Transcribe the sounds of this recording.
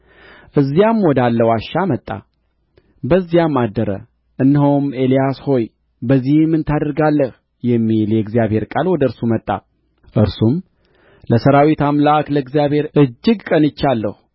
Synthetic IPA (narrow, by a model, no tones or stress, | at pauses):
ʔɨzːijamwɔd̪alːəwaʃːamət̪ʼːa̰ | bəzːjamːad̪ːəɾə̰ | ʔɨnːhowme̞lijasho̞j | bəzːihmɨnt̪ʰad̪əɾɡalːəh | jɛmːiljɛɡzijaβhe̞ɾkʼalwɔd̪əɨɾsumət̪ʼːa̰ | ʔɨɾsum | ləsəɾawit̪amlakləɡzijaβhe̞ɾɨd͡ʒːɨɡkʼənɨt͡ʃːalːəhu